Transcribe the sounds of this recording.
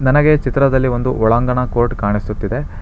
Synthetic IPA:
nɐnɐɡe̞t͡ʃit̪ɾɐd̪ɐlːiʋo̞nd̪uʔɔɭaːŋɡɐɳɐkoːɾʈkaːɳisut̪ːid̪e

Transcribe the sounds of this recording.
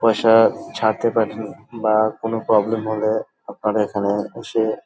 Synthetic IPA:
pɔʃat͡ʃʰaːt̪epəʈʰənbakonopɾɔːblemɦõle | ɐp̚naɾekʰaneʃe

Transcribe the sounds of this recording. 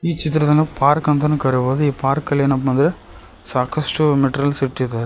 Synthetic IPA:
iːt͡ʃɪt̪̬ːɪɾɐt̪ɐnɐpʰaːɾkɐnt̪ɐnɯkɐɾɯʋɐːðɯiːpaːɾkɐljnɐp̬ːʋɐnd̪ɪɾɐ | saːkɐsʈɯmɛʈɾɐlsɪʈːit̪ɐɾ

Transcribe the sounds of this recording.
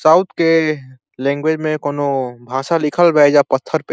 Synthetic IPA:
saːʊt̪ʰke | lɛ̃ːŋɡwed͡ʒmẽkoːnobʱaːsalɪkʰəlbɛd͡ʒapət̪ʰːəɾpe

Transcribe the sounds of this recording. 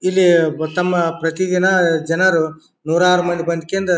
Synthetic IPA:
ilːit̪ɐmːɐpɾɐt̪id̪inɐd͡ʒɐnɐɾu | nuːɾaːɾumɐnd̪ibɐnd̪ikend̪ɐ

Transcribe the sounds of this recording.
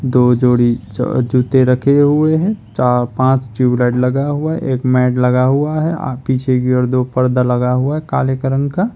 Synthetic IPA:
d̪oːd͡ʒoːɽḭd͡ʒuːt̪eɾɐkʰeɦʊeɦɛ̃t͡ʃapãːt͡ʃd͡ʒuːblaːɪʈlɐɡaɦuaɦɛ̰ʔeːkmɛːʈlɐɡaɦuaɦɛ̰piːt͡ʃʰekiɔːɾd̪oːpəɾd̪alɐɡaɦʊaɦɛkaːljəkəɾənka

